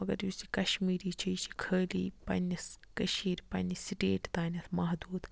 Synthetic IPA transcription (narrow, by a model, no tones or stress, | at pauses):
ɐɡɐɾjusikɐʃmiːɾiːt͡ʃʰijt͡ʃʰi̥kʰəːlḭːpɐ̰nʲiskɐʃiːɾpɐ̰nʲisiʈeːʈt̪aːnʲɐt̪ʰmɐɦd̪uːd̪